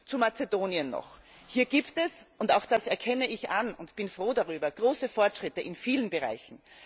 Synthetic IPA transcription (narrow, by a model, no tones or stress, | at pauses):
t͡sumat͡sedoːniənːɔ̰χ | hiːɐɡiːptɛsʔʊntaʊxd̥asɛɐkʰɛnəɪçʔanʊntb̥ɪnfʁ̥oːdaʁyːbɐɡ̥ʁoːsəfɔɐtʃʁ̥ɪtəʔɪnfiːlənbəʁa̰ɪçn̩